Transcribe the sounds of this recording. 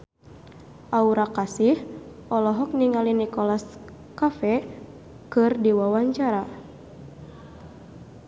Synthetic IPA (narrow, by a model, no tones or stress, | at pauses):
ʔauɾakasihʔɔlɔɦɔk̚niŋalinikɔlas | kafɛ | kɨrdiwawaɲt͡ʃaɾa